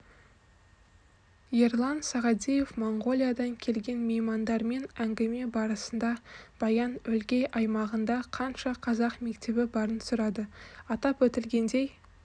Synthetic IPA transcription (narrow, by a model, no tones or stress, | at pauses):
jeɾlˠɑnsɑʁɑd̪ʲije̞fmoɴɡo̞lʲˠijad̪ɑŋkʲʰe̞lɡʲe̞nmejmɑnd̪ɑɾme̞næŋɡʲɪme̞bɑɾəsənd̪ɑb̥ɑjɑnɵlɡʲe̞jʔɑjmɑʁənd̪ɑqʰɑnʃɑqʰɑzɑqme̞kt̪e̞bɪbɑɾənsʊɾɑd̪əɑt̪ɑpwɵt̪ɪlɡʲe̞nd̪e̞j